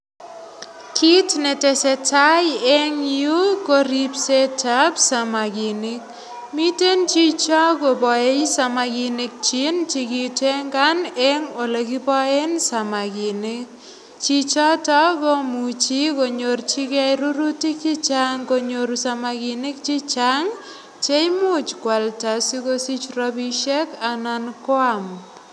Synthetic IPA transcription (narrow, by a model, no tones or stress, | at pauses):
kʰitnetesetajeŋjukoɾipsetapsamakinik̚ | mitent͡ʃit͡ʃɔkopɔejsamakinik̚t͡ʃint͡ʃikiteŋɡanɛŋolekipɔensamakinɪk̚ | t͡ʃit͡ʃɔtɔkomut͡ʃikoɲort͡ʃikɛjɾuɾutik̚t͡ʃit͡ʃaŋkoɲoɾsamakinɪk̚t͡ʃit͡ʃaŋ | t͡ʃejmut͡ʃkwaltasikosit͡ʃrɔbiʃekanankwam